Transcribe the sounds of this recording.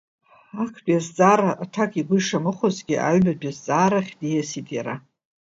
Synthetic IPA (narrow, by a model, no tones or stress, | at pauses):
akʷʰbʼjazd͡zʼaːɾaʔatʰakʼiɡʷʊiʂamɨχozɡʲiʔa̰ɥbadazd͡zʼaːɾaχʲdijasitʼjaɾa